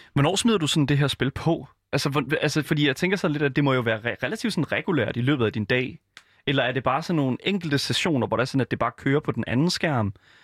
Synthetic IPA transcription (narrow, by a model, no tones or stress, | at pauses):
ʋɒnɒ̰ːsmið̰ˠɐd̥usɒ̽n̩d̥e̝ɦæɐsb̥e̝lpʰɒ̽ | ʔælsəʋɒælsəfɒd̥ḭːjɑɪt͡sʰeŋɡ̥ɐsɒ̽nle̥æd̥e̝mɒ̽jo̝ʋæːɐʁɛʁɛlæt͡sʰḭʊd̥sɒ̽n̩ʁɛɡ̥ulæ̰ɐ̰d̥ilø̰ːb̥ð̩ˠæd̥ind̥ɛ̰ː | elɐæɐɾe̝b̥ɑ̈ːsɒ̽nːo̝ːn̩eŋ̰ɡ̥l̩d̥əsæɕo̝̰ːnɐʋɒ̰ɾ̥æsɒ̽n̩æd̥e̝b̥ɑ̈ːkʰøːɐpʰɒ̽d̥enʔænn̩sɡ̥æɐ̰m